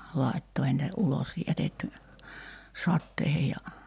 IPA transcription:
lɑitːo ei nitæ ulos jætetːy sɑtːeihej jɑ

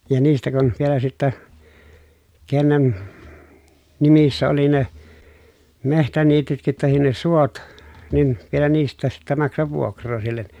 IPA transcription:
jɑ niːstæ kun ʋielæ sitːæ kenːen nimisːæ oli ne mehtæniːtytkit tɑhin ne suot nin ʋielæ niːstˑæːs sitːæ mɑksɑʋ ʋuokrˑoː silːen

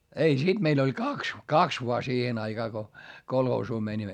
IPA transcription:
ei sid̥ meil olʲ kɑks kɑks ʋoɑ siːhen ɑiɡ̊ɑː ko kolhoːsuː mænʲimːæ

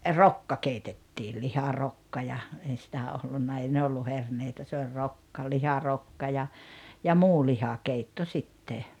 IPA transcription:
rokːɑ keitetːiː lihɑrokːɑ jɑ ei sitæ olːunːɑ ei ne olːu herneitæ se olʲ rokːɑ lihɑrokːɑ jɑ jɑ muː lihɑkeitːo sitːe

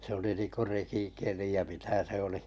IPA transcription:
se oli ninko rekikeli jɑ mitæ se oli

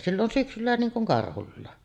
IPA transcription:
silː on syksylːæ niːŋ kuŋ kɑrhulːɑˑe

